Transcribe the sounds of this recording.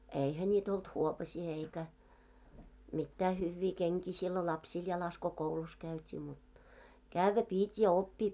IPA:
eihæ nʲiːt olt huopɑsiː eikæ mitːæː hyːʋːiː keŋkiː silːo lɑpsiːl jɑlɑs ko koulus kæytʲiː mut kæʋːæ piˑtʲ jɑ opːiː

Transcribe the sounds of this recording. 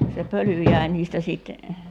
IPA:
se pøly jæi̞ niːstæ siˑt

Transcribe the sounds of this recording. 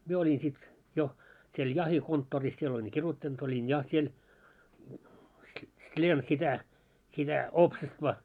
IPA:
mie olʲin sit jo siel jɑhikontːoːris siel olʲiŋ kirutːɑnt olʲin jɑ siel slʲiem sitæ sitæ oːpsestʋɑ

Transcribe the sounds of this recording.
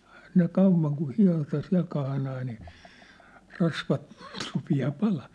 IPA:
ehæ ne kɑuʋˑɑŋ ku hiɑ̝tɑ siæ̝l kɑhnɑː niː rɑsʋɑt rupiɑː pɑlɑː

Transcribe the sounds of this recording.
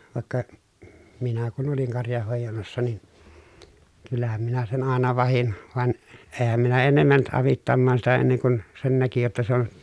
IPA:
ʋɑˑekːɑ minæ kun oliŋ kɑrjɑhːoˑejɑnːɑsːɑ nin kylːæhæm minæ sen ɑˑenɑ ʋɑhin ʋɑn eːhæm minæ enːem mænt ʔɑʋitːɑmːɑːn sitæ enːeŋ kun sen næki jotːɑ se on

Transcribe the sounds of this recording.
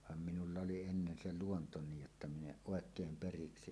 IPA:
ʋɑm minulːɑ oli enːen se luonto niːj jotːɑ min eʔ ʔoˑekeːm periksi

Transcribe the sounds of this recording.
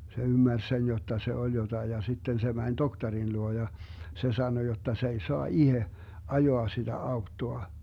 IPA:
se ymːærs sen jotːɑ se olʲ jotɑi jɑ sitːen se mænʲ doktɑrin luo jɑ se sɑno jotːɑ s ei soɑ ihe ɑjoɑ sid̥æ ɑutːoɑ

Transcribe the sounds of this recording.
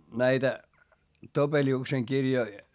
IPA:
næitæ topeliukseŋ kirjoi

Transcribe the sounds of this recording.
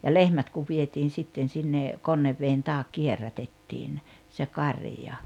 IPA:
jɑ lehmæt kuʋ ʋietiːn̞ sitːen sinːe konːeʋːeːn tɑːk kierːætetːiːn se kɑrĭjɑ

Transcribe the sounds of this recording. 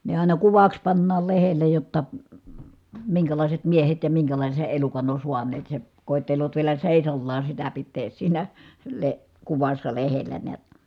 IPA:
ne ɑˑi̯nɑ kuʋɑks pɑnːɑːl lehele jotːɑ miŋkælɑˑiset miehet jɑ miŋkælɑˑise elukɑn on̞ suɑneːt se koˑi̯tːeloːt ʋielæ seˑisɑlːɑː sitæ pitːeːs siːnæ le kuʋɑsːɑ lehelːæ neæt

